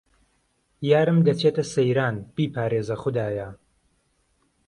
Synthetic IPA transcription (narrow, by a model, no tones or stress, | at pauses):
jaːɾɨmd̪ɐt͡ʃʰeːt̪ɐsejɾaːnb̥iːpʰaːɾeːzɐχʊd̪aːjɐ